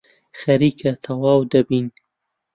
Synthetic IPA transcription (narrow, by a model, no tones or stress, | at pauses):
xɐɾiːkʰɐt̪ʰɐwaːwd̪ɐbiːn